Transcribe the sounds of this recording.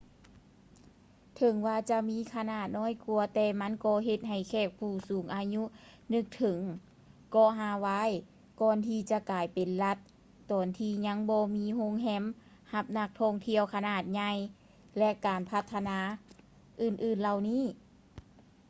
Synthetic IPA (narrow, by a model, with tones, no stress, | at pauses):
t̪ʰɤ˨˦ŋwaː˧t͡ɕa˧miː˧˥˨kʰa˧naː˧˩t̪̚nɔː˧˥˨jku˧˩ɐt̪ɛː˧ma˧˥˨nkɔː˧˩ɦe˧t̪̚ha˧˩jkʰɛː˧˩k̚pʰuː˧˩suː˨˩˦ŋʔaː˨˧ɲu˧˥nɯ˧k̚t̪ʰɤ˨˦ŋ | kɔː˧˩ɦaː˧˩wa˧˥˨j | kɔː˧˨nt̪ʰiː˧t͡ɕa˧kaː˨˩jpe˨nla˧t̪̚ː | ɔː˨˩nt̪ʰiː˧ɲa˧˥ŋbɔː˧miː˧˥˨ɦo˧˥˨ŋɦɛ˧˥˨m | ha˧p̚na˧k̚t̪ʰɔː˧˥ŋt̪ʰi˧˨əwkʰa˧naː˧˩t̪̚ɲa˧j | lɛ˧˥ʔkaː˨˩npʰa˧t̪ʰːa˧naː˧˥ | ʔɯː˨˩nʔɯː˧˩nla˧˨wniː˧˥˨